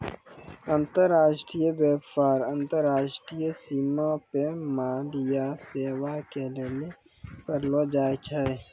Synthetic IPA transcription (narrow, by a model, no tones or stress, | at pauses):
ə̃nt̪əɾːaːʃʈɾijəbeːpaːɾə̃nt̪əɾːaːʃʈɾijəsiːmapemaːdijaseːwakelele | pəɾlod͡ʒaːjt͡ʃʰae